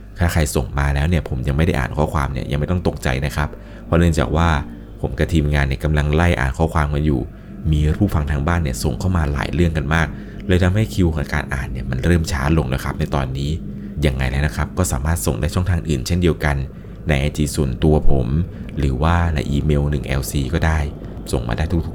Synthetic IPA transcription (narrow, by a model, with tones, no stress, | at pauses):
k̪ʰaː˥˩xʰa˧jso˨˩ŋmaː˧lɛː˦˥wni˥˩əpʰo˩˦mja˧ŋm˥˩jda˥˩ʔa̰ː˨˩nkʰɔ̰ː˥˩kʰwaː˧mnḭ˦˥˩ɐja˧ŋma˥˩t̪ɔ˥˩t̪o˨˩k̚t͡ɕa̰˧jna˦˥kʰa˦˥p̚ | pʰːɔ˦˥nɯ˥˩əŋt͡ɕa̰ː˨˩k̚waː˥˩ | pʰo˩˦mka˧t̪ʰiː˧mŋaː˧nːi˥˩ka˧mla˧ŋla˥˩jʔa̰ː˨˩nkʰɔː˦˥˩kʰwaː˧mka˧njṵː˨˩ | miː˧ɾʰuː˥˩fa˧ŋt̪ʰaː˧ŋbaː˥˩nːi˥˩ɐso˨˩ŋkʰa˥˩wmaː˧la̰ː˨˦jɾɯ˥˩əŋka˧nmaː˥˩k̚ | lɛː˧jt̪ʰa˧mɦa˥˩jkʰi˧wkʰːʔa˧kaː˧nʔa̰ː˨˩nːi˥˩ɐma˧nɾɤː˥˩mt͡ɕʰaː˦˥lo˧ŋleː˦jkʰp̚na˧jt̪ɔː˧nːiː˦˥ | ja˧˩ŋːa̰˧jlɛː˦˥wna˦˥kʰɾa˦˥p̚kɔː˥˩saː˨˩˦maː˥˩t̪̚so˨˩ŋdaː˥˩jt͡ɕʰɔ˥˩ŋt̪ʰaː˧ŋʔɯː˨˩nt͡ɕʰe˥˩ndi˧əwka˧nː | a˧jʔa˧jt͡ɕiː˧su˨˩ənt̪u˧ɐpʰo˩˦mɾɯː˩˦waː˥˩na̰˧jʔiː˧me˧wnɯ˨˩ŋʔɛ̰˧wsiː˧kɔː˥˩daː˥˩j | so˨˩ŋma̰ː˧daː˥˩jt̪ʰu˦˥kt̪ʰu˦˥